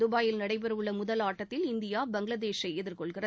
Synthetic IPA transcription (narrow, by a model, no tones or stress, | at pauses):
d̪ʊbaːjɪlnɐɽɐɪp̬ɛɾɐʋɯɭːɐmʊðɐlaːʈːɐt̪ːɪlɪnd̪ɪjaːbɐŋɡɪlɐðeːʃɐɪɛðɪɾkɔɭɣɪrɐ